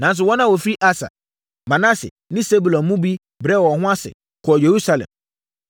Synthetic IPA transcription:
nã˨n˦s̬ʊ˨˦wɔ̃˦nã˦wɔ˨fi˦ɾi˦ʔa˦sa̰˨ | mã˨na˦sɪ̰˨ | nɪ̃˦se˦bu˨lɔ̃˨mũ˦bi˦ | bɾɛ˦˨wɔ˨hʊ̃˦a˦sɪ̰˨ | kʰʊ˨ɔ˨je˨ɾu˦sa˦lɛ̰̃˨m

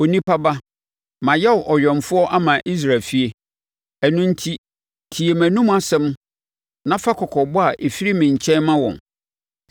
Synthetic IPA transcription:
o˨nĩ˦pa˦ba˦ | mã˨jɛ˦ʊ˨ʔɔ˨ɥᶣɔ̃˨m˨fʊ˦ɔ˦ʔa˦mã˨ʔi˦s̬ɾa˨lfi˦e˦ | æ˨nʊ̃˦n̩˦tʰi˦ | tʰi˨e˨mæ̃˨nũ˦m˦a˦sɛ̃˦m | nã˦fa˦kʰɔ˨kʰɔ˨bʊ˦a˨ʔe˨fi˦ɾi˦mɪ̃˨ɲ˨t͡ɕʰɛ̃˦nmã˦wɔ̰̃˨n

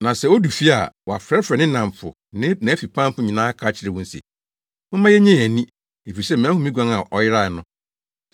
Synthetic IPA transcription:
nã˨sɛ˦o˦du˨fi˦a̰˨wɔ˨a˨fɾɛ˦fɾɛ˨nɪ̃˦nã˨m˨fʰʊ̰˨ | nɪ̃˦nã˨˦fi˨pʰã˦m˦pʊ̃˦ɲĩ˨nãː˦kʰa˦t͡ɕʰɪ˦ɾɪ˨wʊ̃˦n̩˦sɛ̰˨ | ʊ̃˦mã˦jɛ˦ɲɛ̃˦˨æ˨nĩ˦ | e˨fi˨ɾi˨sɛ˦˨m˨æ̃˨˦hʊ̃˦mĩ˦ɡʷã˦ŋa˨ʔɔ˨jɪ˦ɾa˦˨nʊ̃˦

